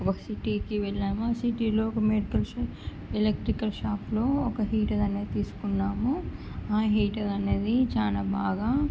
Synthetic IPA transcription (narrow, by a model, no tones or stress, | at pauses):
ʋɐsiʈikiʋelːaːmaːsiʈiloːkɐmeɖikɐl | elek̚ʈɾikɐlʃaːpʰloːɔkɐɦiːʈɐd̪ɐneːt̪iːsu̥kunːaːmu | aːɦiːʈɐɾɐneːd̪it͡ʃaːnɐbʱaːɡɐ